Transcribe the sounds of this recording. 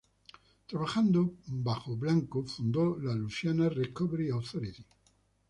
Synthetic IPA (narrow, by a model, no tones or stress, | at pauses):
t̪ɾaβaxand̪obaxoβlaŋkofund̪olalusjanarekoβeɾiawθoɾit̪i